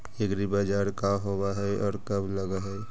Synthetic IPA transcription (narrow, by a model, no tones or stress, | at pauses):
eɡɾibad͡ʒaːɾkaɦowaɦɛʔɔːɾkəbləɡaɦɛ